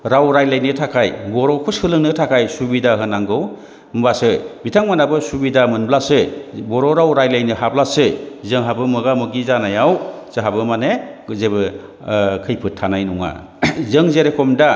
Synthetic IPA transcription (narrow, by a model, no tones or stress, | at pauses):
ɾawɾajlajnɯtʰakʰajbɔɾɔkʰushɯlɯŋnɯtʰakʰajsubidaɦɯnaŋɡɯw | mbasɯbitʰaŋmanabɯsubidamɯnblasɯbɔɾɔɾawɾajlajnɯɦablasɯzɯŋɦabɯmɯɡamɯɡizanajawz̥ɯɦabɯmanezebɯ | kʰɯjpʰɯtʰːanajnuŋa̰ | zɯŋzeɾekʰɔmda